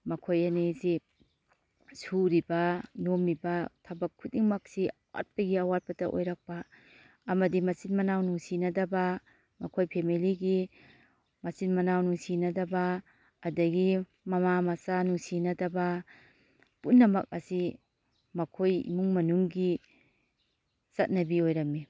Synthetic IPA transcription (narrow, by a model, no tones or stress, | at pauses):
mɐkʰojɐnesi | suɾibɐnomɾibɐtʰɐbɐkʰːut̚iŋmɐk̚siɐwa̰t̚pɐɡiɐwat̚pɐtɐʔo̰jɾɐk̚pɐː | mɐdimɐsinmɐnawnuŋsinɐdɐbɐ | mɐkʰojpʰemiliɡi | mɐsinmɐnawnuŋsinɐdɐbɐː | dɐɡi | mɐmamɐsanuŋsinɐdɐbɐ | punːɐmɐk̚ɐ̰si | mɐkʰojḭmuŋmɐnuŋɡi | sɐt̚nɐbiojɾɐmmi